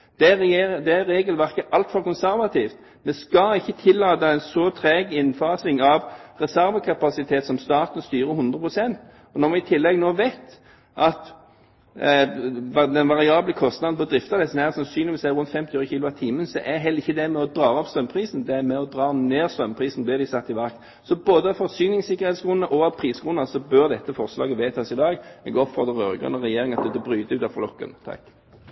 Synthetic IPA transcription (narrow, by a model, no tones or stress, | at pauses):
d̪̥ɛd̪ɛæɾeːɡəlʋæʁkəʔɑlt̪fɔʁkʊnsæɾʋɑt̪ʰiːft̪ | mɛskɑɪçːət̪ʰɪlːɑːt̪ɑɛnsɔt̪ʰɾɛːɡɪnfɑːsɪŋɑʋʁɛsæɾʋəkʰɑpɑsɪt̪ʰeːt̪sɔmst̪ɑːt̪nst̪yːɾəhʊnd̪ʁəpʰʁʊsɛnt̪ | ɔnɔɾʋɪɪt̪ʰɪlːɛɡnoːʋeɪt̪ | ʔɑt̪ | d̪ɛnʋɑʁɪɑːbləkʰɔst̪nɑd̪n̩pɔd̪ɾɪft̪ɑd̪ɛsnæːʁsɑnsyːnɪʋɪsæɪʁʉnt̪fɛmt̪ɪøːɾəçiːlʊɑt̪ʰiːmənsɔʔɛɦɛlːɪçːəd̪ɛmɛɔd̪ʁɑːɔpst̪œmpʰʁiːsn̩d̪ɛæmɛɔd̪ɾɑːneːʁst̪œmpʰʁiːsn̩blɪːɾd̪ɪsɑt̪ːɪʋɑkt̪ | sɔboːd̪əɑfɔʁsyːnɪŋsɪkːəʁheːt̪sɡʁʊnːəʔɔɑʋpʰɾiːsɡʁʊnɑsɔbœʁd̪ɛt̪ːəfɔʁslɑ̰ːɡəʋeːt̪ʰɑːsɪd̪ɑːɡɛ̰ɡɔpfɔʁd̪əʁø̰ːɾəɡʁʉ̰nəʁɛjeːɾɪŋɑt̪̚d̪ɛd̪əbɾyːd̪əʉːt̪ɑʋflɔkːə̰nt̪ʰɑ̰k